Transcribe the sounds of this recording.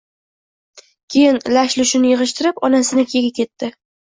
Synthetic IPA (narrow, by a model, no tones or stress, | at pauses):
kʲʰejɪnlaʃlʊʃɪnɪjɨʁɨʃt̪ʰɪɾɪpɒnasɪnɪkʲʰeɡʲakʲʰe̞t̪ʰːɪ